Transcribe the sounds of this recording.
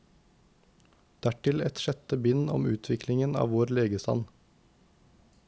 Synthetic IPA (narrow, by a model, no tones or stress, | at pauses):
d̪̥æʈɪlɛt̪ʃɛt̪əbɪnɔ̰mʉːt̪ʰʋɪklɪŋənɑ̰ːʋoːɾleːɡəst̪ɑ̰n